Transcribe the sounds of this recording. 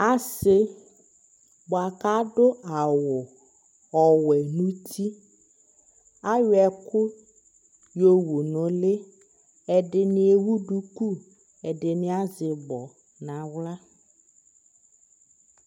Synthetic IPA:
a˦sɪ˦ | bʊ˨a˨ka˦dʊ˦ʔa˨wʊ˨ | ɔ˨wɛ˨nũ˦tʰi˦ | a˦jʊ˦ɛ˨kʊ˦ | jo˨wu˨nʊ˨lɪ˦ | ɛ˨dɪ˨nɪ˨˦e˨wu˦du˦ku˦ | ɛ˨dɪ˨nɪ̃˦a˦zɪ˨bɔ˨ | nã˨wla˦

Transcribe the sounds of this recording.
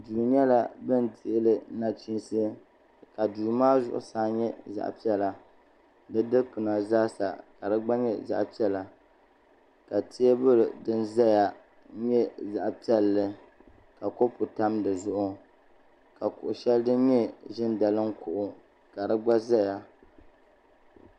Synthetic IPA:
duː˨ɲɛ˦la˦bɨ˦nti˦˨ʔlɨ˨na˦t͡ʃi˦nse˦ | ka˨duː˨maː˦zʊ̰˦ʔʊ̰˨saː˦ɲɛ˦za̰˨ʔpi˦ɛ˦la˨ | dɨ˦dɨ˦pɨ˨na˨zaː˦sa̰˨ka˨dɨ˦ɡ͡ba˦ɲɛ̰˦za̰˦˨ʔpi˦ɛ˦la˨ | ka˨ti˦e˦bʊ˦ɾdɨ˦nza˦ja˨ | ɲɛ˦za˨ʔpi˦ɛ˦lːɨ˦ | ka˨ko˦pʊ˨ta˦mdɨ˨zʊ˦ʔʊ˦ | ka˨kʊ˨ʔʊ˨ʃɛ˦ldɨ˦n˦ɲɛ˦ʒɪ˦nda˨lɨ˦ŋkʊ˨ʔʊ˨ | ka˨dɨ˦ɡ͡ba˦za˦ja˨

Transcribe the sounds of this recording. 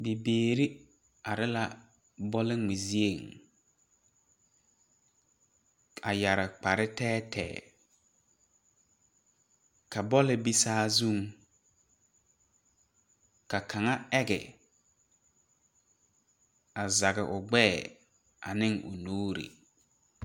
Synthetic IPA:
bi˨beː˨ɾi˦ | a˨ɾɪ˦la˦ | bɔ˦lɪ˦ŋ͡mɪ˨zi˦e˨ŋ | a˨ja˨ɾɪ˨k͡pa˨ɾɪ˦tɛː˦tʰɛ̰ː˨ | ka˨bɔ˦lɪ˦bi˦saː˦zu˦˨ŋ | ka˨kʰa˨ŋa˦ɛ˦ɡɪ̰˨ | a˨za˨ɣɪ˨ʔʊ˨ɡ͡bɛː˦˨ | a̰˨nɪ˦ŋʔʊ̰˨nuː˦ɾḭ˨

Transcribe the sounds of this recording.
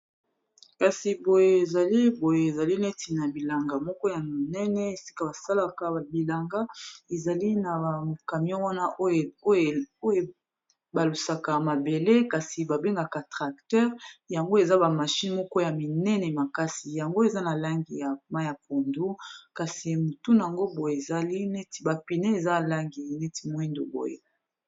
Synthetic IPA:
ka˨si˨bo˨jeː˨za˨li˦bo˨je˨e˨za˨li˦nɛ˦tʰi˨na˨bi˨la˨ŋɡa˨mɔ˦kɔ˦ja˨mi˨nɛ˦nɛ˦e˨si̥˦ka˦ba˨sa˦la˦ka˨˦˨bi˨la˨ŋɡa˦e˨za˨li˦na˨ka˨mi˦ɔ̃˦wa˦na˦o˦˨o˦o˦je˨ | ba˨lu˨sa˨ka˨ma˨be˨le˦ka˨si˨ba˨be˦ŋɡa˨ka˨tʁa˨ktɛ˦ʁja˨ŋɡo˦e˨za˦ba˨ma˨ʃi˦n˦mɔ˦kɔ˦ja˨mi˨nɛ˦nɛ˨ma˨ka˦si˨ja˨ŋɡo˦e˨za˦na˨la˦ŋɡi˨ja˨ma˦ja˨p̚o˨ndu˦ka˨si˨mo˨tu˦na˨a˨ŋɡo˦bo˨je˨e˨za˨li˦nɛ˦ti˨˦ba˨pi˨ne˦e˨za˦˨la˦ŋɡi˨nɛ˦ti̥˦mo˦i˦ndo̰˨bo̰˨jḛ˦

